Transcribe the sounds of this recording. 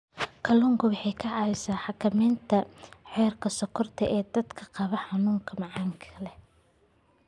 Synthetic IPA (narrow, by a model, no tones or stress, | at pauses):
kʰɐluːŋkʰʊwɑħɑjkʰɐʕɑɪsaːħɑkʰɐmɛːnt̪ʰɐħɛːrkʰɐsɐkʰɔrt̪ʰɐʔɛːd̪ɐd̪kʰɐqɑβɐħɑnuːŋkʰɐmɑʕɑːŋkʰɐlɛ